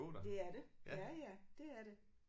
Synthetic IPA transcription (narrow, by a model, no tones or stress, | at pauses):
odd̥e̝æɐɾe̝jæjæd̥e̝æɐɾe